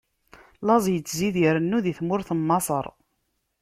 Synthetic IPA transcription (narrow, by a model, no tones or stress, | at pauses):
lɑzˤjət͡sːziðjəɾənːuðiθmʊɾθəmːɑsˤəɾˤ